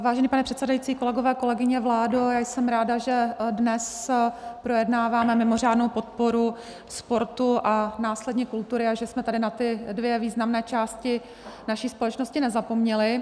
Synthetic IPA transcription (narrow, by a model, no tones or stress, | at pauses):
vaːʒɛniːpanɛpr̥ɛt̪sɛdajit͡siːko̞lɛɡo̞vɛːko̞lɛɡɪɲɛvlaːdojaːjsɛmɾaːdaʒɛdnɛs | pɾo̞jɛdnaːvaːmɛmɪmo̞r̝aːdnowpo̞t̪̚po̞ɾu | spo̞ɾt̪uʔanaːslɛdɲɛkult̪uɾɪaʒɛsmɛt̪adɪnat̪ɪdvjɛviːznamnɛːt͡ʃaːscɪ | naʃiːspo̞lɛt͡ʃnoscɪnɛzapo̞mɲɛlɪ